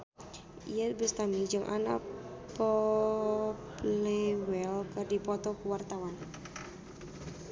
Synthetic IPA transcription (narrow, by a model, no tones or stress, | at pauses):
ʔḭjabəst̪amid͡ʒɨŋʔa̰na̰pɔ | plɛwɛlkərdipɔt̪ɔkəwart̪awan